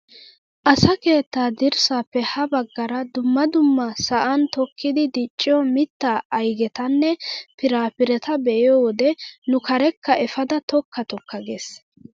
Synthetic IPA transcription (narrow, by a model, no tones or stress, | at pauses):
ʔɐsɐke̞ːt̪ːaːd̪ɪɾsaːpːɛhɐbɐɡːɐɾɐd̪ʊmːɐd̪ʊmːɐsɐʔɐnt̪ɔkʰːɪd̪ɪd̪ɪt͡ʃʼːɪjɔmɪt̪ːaɐjɡɛt̪ɐnːɛpɪɾaːpɪɾɛt̪ɐbɛʔɪjɔwɔd̪ɛnʊkɐɾɛkːɐɛfɐd̪ɐt̪ɔkʰːɐt̪ɔkːɐɡes